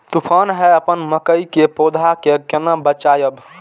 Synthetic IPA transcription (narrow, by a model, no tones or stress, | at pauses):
t̪upʰanɦɛəpənməkəjikepod̪ʱakekenəbət͡ʃajəb